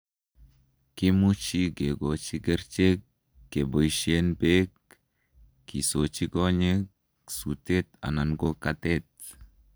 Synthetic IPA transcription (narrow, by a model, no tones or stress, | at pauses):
kimut͡ʃiɡeɡot͡ʃiɡɛɾt͡ʃekː | ebojʃienbekː | isot͡ʃiɡoɲek | sutet̪a̰nanɡokatet̚